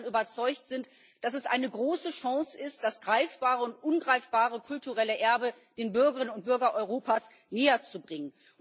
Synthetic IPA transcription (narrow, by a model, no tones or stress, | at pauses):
nʔyːbɐt͡sɔʏçtz̥ɪnt | d̥asɛsʔa̰ɪnəɡʁoːsəʃɑ̃ŋsɪst̚d̥asɡ̥ʁaɪfb̥aːʁəʊntʔʊnɡʁaɪfb̥aːʁəkʰʊltuʁɛləʔɛɐbə | d̥eːnbʏɐɡəʁɪnənʊnt̚b̥ʏɐɡɐʔɔʏʁoːpaːs | neːɐt͡subʁɪŋən